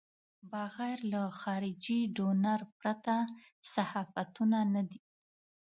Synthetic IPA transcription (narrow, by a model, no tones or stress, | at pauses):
bɑɣajɾlaxɑɾɪd͡ʒiɖonaɾpɾat̪asahɑfat̪unanad̪i